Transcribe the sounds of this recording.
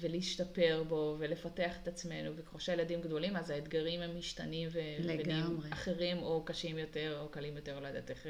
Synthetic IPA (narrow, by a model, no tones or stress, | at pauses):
veliʃtape̞ʁbo̞velefate̞aχet̪at͡sme̞nuvekχoʃajeladimɡdo̞limazaet̪ɡaʁimhemːiʃt̪animvelebɡnimeaχeʁimo̞kaʃimjo̞te̞ʁokalimjo̞t̪e̞ʁload̪at̪eχ